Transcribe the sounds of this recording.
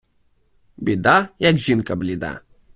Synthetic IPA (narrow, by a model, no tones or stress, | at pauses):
bʲɪd̪ajakʒinkɐblʲid̪a̰